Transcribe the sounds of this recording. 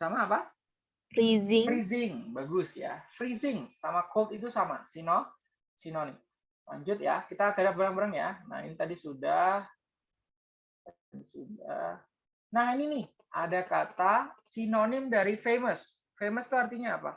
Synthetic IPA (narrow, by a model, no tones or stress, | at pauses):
samaːpa | fɾizfɾizɪŋbaɡʊsja̰fɾizɪŋsamakot̪it̪usama̰sino | sinonɪm | la̰ɲd͡ʒʊt̪̚ja̰kit̪akədaŋbəɾəŋbəɾəŋja̰na̰hḭnit̪adisudah | t̪a | disuda̰h | naɦininɪh | ʔa̰dakat̪asinonɪmdaɾifeməs | feməst̪uart̪iɲaːpa̰